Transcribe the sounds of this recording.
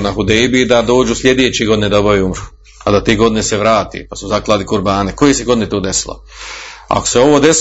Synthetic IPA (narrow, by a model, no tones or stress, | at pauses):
naɦud̪ejbid̪ad̪o̞ːd͡ʒusʎʲe̞d̪eːt͡ɕeɡo̞d̪ined̪obaʋiumɾu | ad̪at̪eːɡo̞d̪ineseʋɾaːt̪ḛpasuzaklˠaːd̪ikuɾbaːneko̞jeseɡo̞d̪inet̪oːd̪esilo̰a̰ko̥seo̞ʋoːd̪e̞s